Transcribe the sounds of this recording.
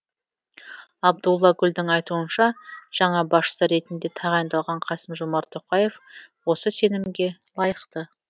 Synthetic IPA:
ɑb̚d̪ulˠːɑɡʲʏld̪ɪŋɑjt̪uənʃɑʒ̥ɑɴɑbɑsʃə̥səɾe̞t̪ɪnd̪e̞t̪ʰɑʁɑjənd̪ɑlˠʁɑɴqʰɑsəmʒomɑɾt̪ʰoqɑje̞fwo̞səse̞nɪmɡʲe̞lˠɑjəqt̪ə

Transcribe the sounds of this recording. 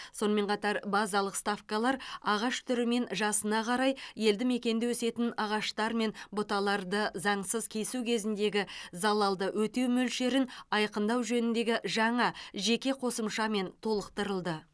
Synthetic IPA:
so̞nəme̞ɴqʰɑt̪ɑɾbɑzɑlˠəqst̪afkɑlˠɑɾɑʁɑʃt̪ʰʏɾɪme̞nʒɑsənɑqʰɑɾɑjje̞ld̪ɪme̞kʲe̞nd̪ɪwɵse̞t̪ɪnɑʁɑʃt̪ɑɾme̞nbʊt̪ɑlˠɑɾd̪əzɑɴsəzkʲʰe̞sukʲʰe̞zɪnd̪e̞ɡʲɪzɑlˠɑlˠd̪əwʔɵt̪e̞wmɵlʃe̞ɾɪnɑjqənd̪ɑwʒɵnɪnd̪e̞ɡʲɪʒɑɴɑʒe̞kʲe̞qʰo̞səmʃɑme̞nt̪ʰo̞lˠəqt̪əɾəlˠd̪ə

